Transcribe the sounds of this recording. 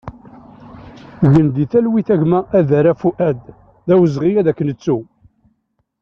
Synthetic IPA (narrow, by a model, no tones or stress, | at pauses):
ʝənd̪iθælwiθæʝmæʔæðæɾæfuʔæd̪ | ðæwəzʁijæðækːənət͡sːu